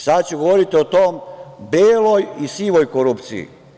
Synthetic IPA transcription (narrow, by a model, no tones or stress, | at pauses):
sad̪t͡ɕuɡoʋoɾit̪iot̪oːmbeːlojisiːʋojkoɾupt̪sḭjḭ